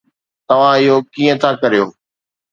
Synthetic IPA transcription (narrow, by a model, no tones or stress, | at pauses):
t̪ɐʋ̤ãɪɦokiːə̃t̪ʰakɐɾijoː